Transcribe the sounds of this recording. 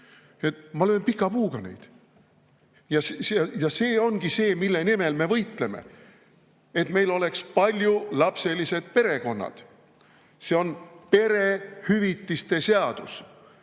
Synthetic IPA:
et̪mɑløːnpikːˑɑpuːɡ̥ɑnḛjd̪̥ | jɑsɑjɑse̞ːo̞nɡ̥ise̞ːmilːe̞nime̞lme̞vɤjt̪le̞mḛ | et̪me̞jlo̞le̞kspɑlʲjulɑpse̞lise̞d̪̥pe̞ɾe̞ko̞nːɑ̰d̪̥ | se̞o̞npe̞ɾe̞hyvit̪ːist̪e̞seɑd̪̥us

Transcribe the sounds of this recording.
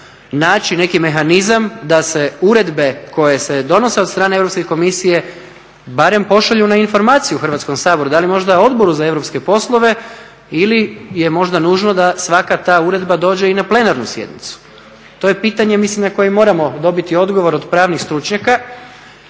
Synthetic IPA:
naːt͡ʃine̞kime̞xanizamd̪ase̞uɾe̞d̪be̞kʰo̞je̞se̞d̪o̞no̞se̞od̪st̪ɾaːneevɾopskeko̞misije̞ | baɾe̞mpo̞ʃaʎunainfo̞ɾmaːt̪sijuxr̩ʋat̪sko̞msaːbo̞ɾud̪alimo̞ʒd̪ao̞d̪bo̞ɾuzae̞ʋɾo̞pske̞po̞slˠo̞ʋe̞ | ilije̞mo̞ʒd̪anuːʒno̞d̪asʋakat̪aːuɾe̞d̪bad̪o̞ːd͡ʑe̞inaple̞naɾnusje̞̰d̪nḭt̪su̥ | t̪o̞jepiːt̪aɲe̞mislimnako̞jemːo̞ːɾamo̞d̪o̞bit̪io̞d̪ɡo̞ʋo̞ɾo̞d̪pɾaːʋnixst̪ɾut͡ʃɲaka

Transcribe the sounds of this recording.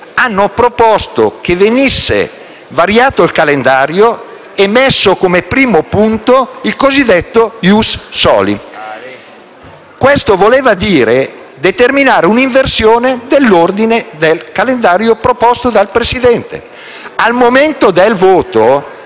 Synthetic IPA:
anːopɾopɔst̪o̰k̟evenisːḛ | vaɾjaːt̪oilkalend̪aːɾjo | emːɛsːokomepɾiːmopunt̪oilkozid̪ːɛt̪ːojusːɔ̰ːlḭ | kwest̪ovoleːvad̪iːɾe | d̪et̪erminaːɾeuniɱversjoːned̪elːord̪ined̪elkalend̪aːɾjopɾopɔst̪od̪alpɾesid̪ɛnt̪ḛ | almoment̪od̪elvoːt̪o

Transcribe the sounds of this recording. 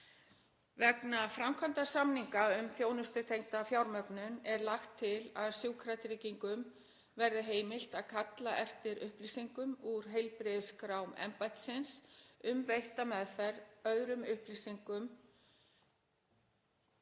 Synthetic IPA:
vɛknafɾamkʰvant̪asamniŋkaʏmθjoːwnʏst̪ʏt̪ʰejŋt̪afjawɾmœknʏnɛɾlaxt̪ʰːɪlaðsjuːkʰɾat̪ɾɪːciŋkʏm | vɛɾðʏɦeːjmɪl̥t̪aðkʰat̪laʔɛft̪ɪɾʏhplisiŋkʏmuɾ̥ɦejlpɾɪðskɾawmɛ̰mpajt̪sɪnsʏmvejht̪amɛðfɛɾœðɾʏmʏhplisiŋkʏm

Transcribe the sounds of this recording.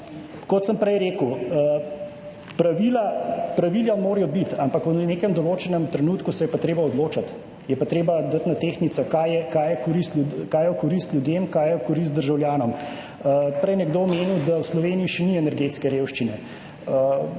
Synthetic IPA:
kɔt̪səmpɾɛjɾeːkəw | pɾaʋilapɾaʋiljamoːɾjɔbit̪ampakwnnekɛmd̪ɔloːt͡ʃɛnɛmt̪ɾɛnuːt̪kusɛjɛpat̪ɾeːbaɔd̪loːt͡ʃat̪ | jɛpat̪ɾeːbad̪at̪nat̪eːxnit̪sɔkajɛkajɛkɔɾist̪ukajɛwkɔɾist̪lʲjud̪jemkaːjɛkɔɾis̬t̪̚d̪əɾʒawljaːnɔm | pɾɛjnɛɡd̪oːmeːniwd̪awslɔʋeːniiʃɛniɛnɛɾɡet̪skɛɾeːwʃt͡ʃinɛ | ə

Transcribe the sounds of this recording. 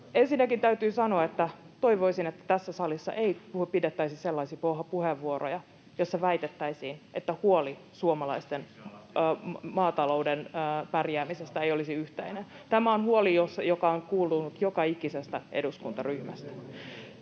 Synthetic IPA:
ensinːækint̪æyt̪yːsɑnoɑet̪ːæ | t̪o̞iʋoisinet̪ːæ̥t̪æsːæsɑlisːɑ̰ʔeipuhpidet̪ːæisiselːɑisiːpohɑpuheʋːuoro̰jɑ | josːɑʋæit̪et̪ːæisiːnʔet̪ːæhuoli | suomɑlɑist̪enː | mɑːt̪ɑlo̞udenːpærjæːmisest̪æejolisiyht̪einen | t̪æmæonhuolijosɑjokɑoŋkuːlːunut̪jokɑikisest̪æʔḛduskunt̪ɑryhmæst̪æ̥

